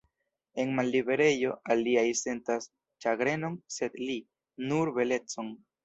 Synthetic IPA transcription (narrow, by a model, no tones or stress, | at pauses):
e̞nmalːibe̞ɾe̞jo̞alːiajse̞ntas | t͡ʃaɡɾe̞no̞nse̞dli | nuɾbe̞le̞t͡son